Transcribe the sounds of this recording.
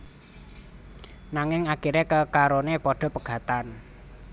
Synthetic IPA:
naŋɪŋakiɾekəkaɾonepɔɖ̥ɔ̤pəɡ̥ä̤t̪an

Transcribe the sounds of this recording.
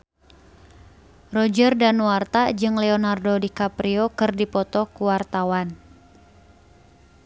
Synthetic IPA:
rɔd͡ʒərdanwart̪ad͡ʒɨŋlɛɔnardodikapɾiɔkɨrdipɔt̪ɔkuwart̪awan

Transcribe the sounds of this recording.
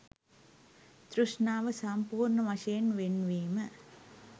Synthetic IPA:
t̪ɾuʂɳaːʋəsɐmpuːrɳəʋaʂɐjenʋenːʋiːmə

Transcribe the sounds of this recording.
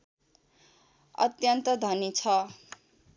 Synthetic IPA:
ʌ̰t̪jʌnt̪ʌd̪ʱʌnit͡sʰʌ

